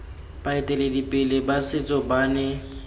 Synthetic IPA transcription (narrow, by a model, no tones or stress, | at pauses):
baɪtʼɛledipʼɪlɪbasɪt͡sʼɔbaːnɛ